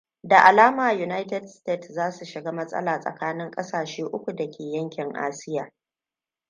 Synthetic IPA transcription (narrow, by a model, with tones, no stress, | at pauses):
da˨ʔa˨laː˦maː˨ju˨na˦jtɛ˨dsteː˦˨tzaː˦su˨ʃɪ˨ɡaː˦mɐ˦sʼɐ̰˦laː˨sʼɐ̰˨kaː˦nɪ˦ŋkʼɐ˦saː˨ʃeː˦ʔʊ˦kʷu˨dɐ˨kʲeː˨jɐ˦ŋkʲɪ˨ŋʔa̰ː˦sɪ˦jaː˨